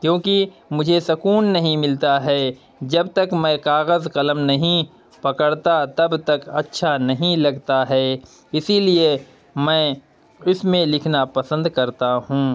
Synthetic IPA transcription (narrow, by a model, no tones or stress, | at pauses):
kjõːkimʊd͡ʒʱesɐkuːnːɐɦĩmɪlt̪aɦɛː | d͡ʒɐbt̪ɐkmɛ̃kaːɣəzkɐləmnɐɦĩ | pɐkəɽt̪at̪ɐbt̪ɐkɐtːʃʰanɐɦĩlɐɡt̪aɦɛː | ɪsilie | mɛ̃ | ʊsmẽlɪkʰnapɐsə̃nd̪kɐɾt̪aɦũː